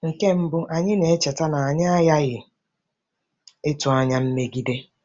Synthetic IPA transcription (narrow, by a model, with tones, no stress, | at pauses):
ŋ̩˨ke˦m̩˦bʊ˦ʔa˨ɲɪ˦ne˨e˦t͡ʃe˨ta˦na˨a˨ɲɪ˦a˦ja˦ɣɪ˨ | ɪ˦tʊ˨a˦ɲa˦m̩˦me˦ɡi˦de˦